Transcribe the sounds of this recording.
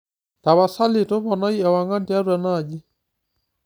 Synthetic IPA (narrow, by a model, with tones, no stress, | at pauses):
ta˨βa˨sa˦lɪ˨tʊ˦βɔ˨na˦i˦a˨wa˨ŋa˦ndi˦a˦ɾwa˨na˨d͡ʒi˦